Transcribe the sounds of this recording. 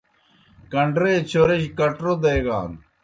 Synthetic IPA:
kɐɳɖɾeːt͡ɕʰoɾeɕkɐʈɾod̪eːɡa̰ːn

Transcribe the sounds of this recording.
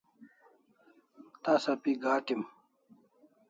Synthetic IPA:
t̪asɐpiɡaːʈim

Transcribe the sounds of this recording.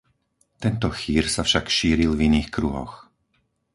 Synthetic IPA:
t̪ɛnt̪ɔxiːɾsafʃakʃiːɾilviniːxkɾuɦɔ̰x

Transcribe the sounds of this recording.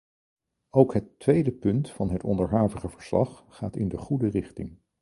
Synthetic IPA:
owkɦətːʋejdəpɵntfɑnɦətɔ̰ndəɹɦaːvəχəvəɹslɑ̰χːa̰ːtɪ̰ndəχudərɪχtɪ̰ŋ

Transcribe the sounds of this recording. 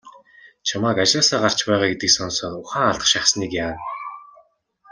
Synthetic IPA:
t͡ɕʰamaːkat͡ɕaːsaːɢar̥t͡ɕpæːʁaːɡet̪ɘ̆ksɔnsɔːt̪ʊχaːŋaɮt̪ə̆χʃaχsniːkjaːn

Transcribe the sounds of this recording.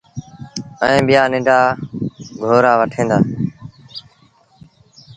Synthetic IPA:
ə̰ĩːɓɪjaːnɪ̃ɖʱaː | ɡʱoːɾaːʋəʈʰẽːnd̪a̰ː

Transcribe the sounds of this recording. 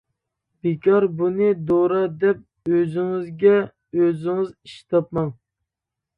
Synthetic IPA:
b̥ekʲʰɑɾbunɨd̪oɾɑd̪ɛp̚ | øzɪŋɪzɡʲɛ | øzɪŋɪziʃt̪ʰɑp̚mɑŋ

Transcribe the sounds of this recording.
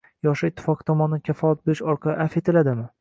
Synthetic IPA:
jɒʃɪɪt̪ʰːɪ̥fɒqɨ̥t̪ʰɒmɒnɪd̪ankʲʰafɒlat̪̚beɾɪʃɒɾqʰɑlɪ̰ʔafe̞t̪ʰɪlad̪ɪmɪ

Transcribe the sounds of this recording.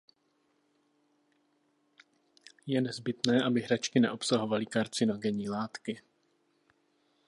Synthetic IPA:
jɛnɛzbɪt̪nɛːʔabɪɦɾat͡ʃkɪnɛ̰ʔo̞psaɦo̞valɪkaɾt͡sɪno̞ɡɛɲiːlaːt̪kɪ

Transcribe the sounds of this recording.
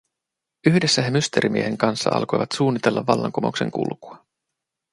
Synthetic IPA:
yhde̞sːæɦemyst̪e̞ɾʔimieɦe̞ŋkɑnsːɑɑ̰lko̞jʋɑt̪suːnːit̪e̞lːɑʋːɑlːɑ̰ŋkomo̞kse̞ŋkṵlkuɑ

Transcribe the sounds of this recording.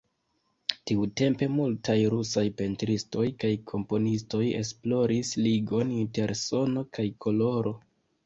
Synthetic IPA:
tiute̞mpe̞multajɾusajpe̞ntɾisto̞jkajkʰo̞mpo̞nisto̞je̞̰splo̞ɾisliɡo̞ninte̞ɾso̞no̞kajkʰo̞lo̞ɾo

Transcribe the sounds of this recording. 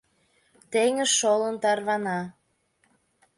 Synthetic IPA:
t̪eŋəʃːolənt̪ɑrβɑnɑ

